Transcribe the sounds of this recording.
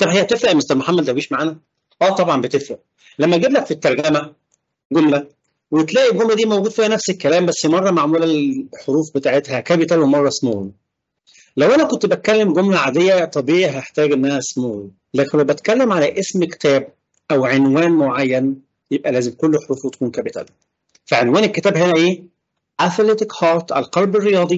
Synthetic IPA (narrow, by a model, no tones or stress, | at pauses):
t̪ɑbhejːæb̚t̪efɾæʔmest̪ɑɾmoħamːæd̪ʔæwɡiːʃmaʕaːnæ | ʔæːt̪ˤɑbʕɑmbet̪efɾæʔ | læmːæɡiblækfit̪ːɑɾˤɡæmæ | ɡomlæ | wet̪læːʔibɡomlæd̪iːmowɡud̪fiːhænæfsekːælæːmbæsːimɑrˤːɑmaʕmuːlæħoɾuːfbet̪aʕet̪hækæːbjet̪ælːæmɑrˤːɑsmo | læwʔænækont̪bæt̪̚kælːemɡomlæʕaːd̪ejːæt̪ˤɑbiːʕiɦæeħt̪æːɡʔenːæhæsmoh | læːkenwæwbæt̪kælːemʕalæʔesmke̥t̪æːb̚ | ʔæwʕenwæːnmoʕajːæn | jeb̚ʔælæːzemkolːħoɾuːfwet̪æ̥kuːnkæbit̪æ̰l | fæʕenwæːneket̪æːbɦenæʔeː | ʔæflet̪ɪkhɑːɾt̪ʔælqɑlberːejɑːd̪ˤi